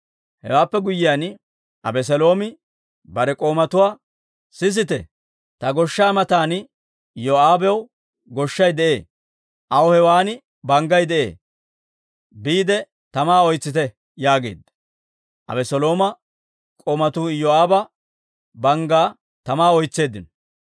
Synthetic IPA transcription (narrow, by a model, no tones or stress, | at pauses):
hɛ̰waːpːɛɡʊjɪjan | ʔɐbɛs̬ɛlo̞ːmɪ | bɐɾɛkʼo̞ːmɐt̪ʊwaː | sɪs̬ɪt̪ɛ | t̪ɐɡɔʃːaːmɐt̪aːn | joaːbɛw | ɡɔʃːɐjd̪ɛʔe̞ː | ʔɐwɔhɛwaːnɪ | bɐŋɡɐjd̪ɛʔe̞̰ː | biːd̪ɛ | t̪ɐmaːɔjt͡sːɪt̪ɛ | jaːɡe̞̰ːd̪ɐ | ʔɐ̰bɛsɔlo̞ːmɐ | kʼoːmɐt̪uːjoaːbɐ | bɐŋɡaː | t̪ɐmaːɔjt͡sːe̞ːd̪ːɪnɔ